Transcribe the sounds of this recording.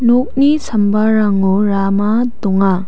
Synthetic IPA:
nok̚nisʰɐmbaɾaŋuɾamad̪oŋa

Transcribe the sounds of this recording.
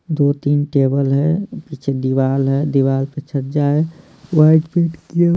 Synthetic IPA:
d̪ot̪inʈebəlɦɛpit͡ʃʰed̪iʋalɦɛd̪iʋalpət͡ʃʰət̪d͡ʒae | waiʈpeʈkie

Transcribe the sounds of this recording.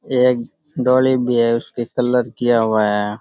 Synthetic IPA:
eːk̚ | ɖɔːlibʱiɦɛʊskikəlːəɾkijaɦʊaɦɛ

